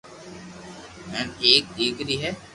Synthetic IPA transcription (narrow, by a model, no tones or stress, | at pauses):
mɛneːk̚eːkɾiɦɛː